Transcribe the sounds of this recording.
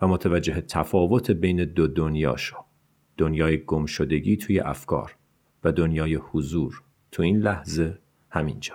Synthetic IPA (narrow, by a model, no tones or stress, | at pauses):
væmot̪ʰævæd͡ʒːe̞ɦet̪ʰæfɒːvo̞t̪ʰebe̞jne̞d̪od̪onjɒ̰ːʃɒ̥ | d̪̥onjɒːjeɡomʃod̪e̞ɟiːt̪ʰuːje̞̰ʔæfkʰɒ̰ːɾ | væd̪onjɒːjehuzuːɾ | t̪ʰuiːnlæhze̞ | hæmind͡ʒɒ̥ː